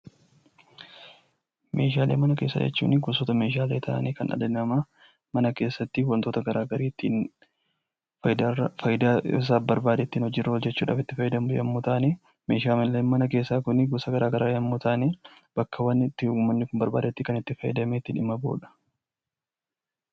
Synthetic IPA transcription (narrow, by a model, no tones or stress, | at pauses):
mʔe̞̰ːʃaːleːmɐnɐke̞ːsːa̰ːd͡ʒɛ̰t͡ʃːṵːnːɪɡʊsoːt̪ɐme̞ːʃ̬aːleːt̪ʰa̰ʔɐ̰neːkɐ̰nɐ̰d̪ɐnɐmaː | mɐnɐke̞ːsːɐt̪ːɪwɐnt̪o̞ːt̪ɐɡɐɾaːɡɐɾiːt̪ːḭn | d̪afɐjɪd̪as̬aːfbɐɾbaːd̪eːt̪ːiːnhɔd͡ʒːɪrːɐhɔd͡ʒːɛt͡ʃːuːᶑa̰ːfɪt̪ːɪfɐjːɪd̪ɐmʊjɐ̰mːut̪aːneː | me̞ːʃaːmɛlːɐnmɐnɐkeːsːaːkʊnɪɡʊsɐɡɐɾaːɡɐɾaːjɐmːuːt̪aːneːb̥ɐkʰːɐwɐnːɪt̪ːɪʊmːɐnːɪkʊmbɐɾba̰ːd̪et̪ːɪkɐnɪt̪ːɪfɐjːɪd̪ɐmeːt̪ːɪᶑɪmɐbo̰ːᶑɐ̥